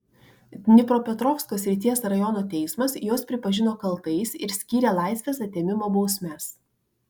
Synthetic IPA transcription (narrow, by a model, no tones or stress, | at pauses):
nʲɪpɾoːpʲɛt̪ɾɔːfskoːsʲɾʲɪt̪ʲiɛsɾɐjɔnoːt̪ʲɛɪsmɐsjoːspʲɾʲɪpɐʒʲɪnoːkɐlˠˑt̪ɐɪsɪɾsʲkʲiːɾʲeːlˠɑˑɪsʲʋʲeːsɐt̪ʲeːmʲɪmoːbɒʊsʲmʲɛs